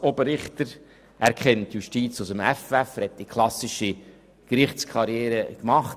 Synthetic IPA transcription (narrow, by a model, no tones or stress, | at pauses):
obəɾɪχt̪əɾ | æɾkχɛntjuʃtiːt͡sʊsəmæfæfhɛt̚dikʰlɑsɪʃi | kɾɪχt͡skʰɑɾjɛːɾəkmɑχt